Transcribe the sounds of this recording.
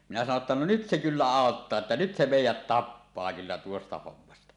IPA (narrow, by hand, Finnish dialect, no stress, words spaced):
minæ sɑno ĕtːæ no nyt se kylːæ ɑˑotːɑː etːæ nyt se meˑijæt tɑpːɑː kylːæ tuostɑ homːɑstɑ